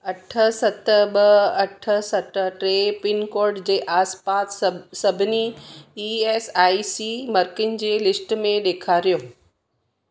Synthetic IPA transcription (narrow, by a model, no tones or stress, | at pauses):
ɐʈʰə̆sɐt̪əɓɐɐʈʰə̆sɐt̪ʈɾeːpɪnkoːɾɖd͡ʑeːʔaːspaːt̪sɐbʱɪniiːeːsaːisimɐɾkɪnd͡ʑeːlɪsʈmẽɗeːkʰaːɾijoː